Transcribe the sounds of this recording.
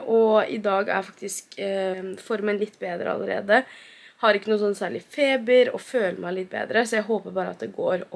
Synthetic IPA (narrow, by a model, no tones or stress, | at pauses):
ʔɔɪ̰d̪ɑːɡæ̰ɾfɑk̚t̪ɪsk | fɔɾmənlɪt̪ːbeːd̪ɾə̰ɑ̰ləɾḛːd̪ə | hɑɾɪkːənuːsɔnːsæːɭɪfeːbəɾɔføːləmæɪlɪt̪̚ːbḛːd̪ɾəsɔjæɪɦoːpəɾbɑːɾəɑt̪̚d̪ɛɡoːɾ